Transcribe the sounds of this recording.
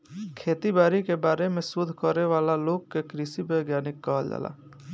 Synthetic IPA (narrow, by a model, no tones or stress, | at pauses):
kʰeːt̪ibaːɾikebaːɾemẽsʊd̪ʱkɔɾeʋaːlaloːɡ̚kekɾɪsibəjɡjaːnɪkːaːld͡ʒa̰ːla̰ː